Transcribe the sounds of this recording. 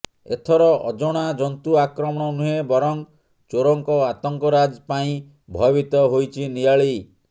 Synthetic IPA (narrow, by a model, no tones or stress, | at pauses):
ḛt̪ʰɔɾɔʔɔd͡ʒɔɽ̃ad͡ʒɔnt̪uakɾɔmɔɽ̃ɔnuɦebɔɾɔŋ | t͡ʃoɾɔŋkɔat̪ɔŋkɔɾad͡ʒpaĩ | bʱɔbit̪ɔɦojt͡ʃʰinijaɭi